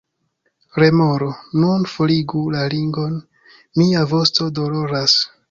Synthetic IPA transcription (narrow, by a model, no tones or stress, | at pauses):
ɾe̞moɾonunfoliɡulaliŋɡo̞n | miavo̞sto̞do̞lo̞ɾas